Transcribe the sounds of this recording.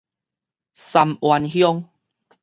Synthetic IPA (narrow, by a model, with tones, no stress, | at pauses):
sa˨˧mwa˧nhjɔ˦˧ŋ